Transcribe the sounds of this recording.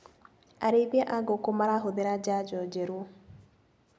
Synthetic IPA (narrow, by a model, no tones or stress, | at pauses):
aɾeβɛʔaɡokomaɾaɦoðeɾad͡ʒad͡ʒɔd͡ʒɛɾo